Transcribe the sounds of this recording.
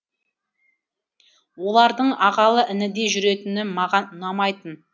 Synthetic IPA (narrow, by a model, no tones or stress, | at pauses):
wo̞lˠɑɾd̪əɴɑʁɑlˠəʔɪnɪd̪e̞ʒʏɾe̞t̪ɪnɪmɑʁɑnʊnɑmɑjt̪ən